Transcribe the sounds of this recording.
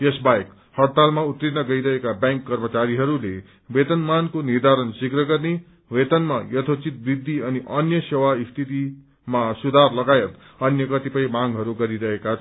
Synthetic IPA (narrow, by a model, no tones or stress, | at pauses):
esbajek | hʌɽt̪almaut̪ɾit̪nʌɡʌiɾʌɦekabjãŋkːʌrmʌt͡saɾiɦʌɾule | bet̪ʌnmankonird̪ʱaɾʌnsikrʌɡʌrne | wet̪ʌnmajʌt̪ʰot͡sit̪̚brid̪ʱːiʌniʔʌnjʌsewaist̪ʰit̪i | masud̪ʱarlʌɡajʌt̪ | ʌnjʌkʌt̪ipʌjmaŋɡɦʌɾuɡʌɾiɾʌɦekat͡sʰ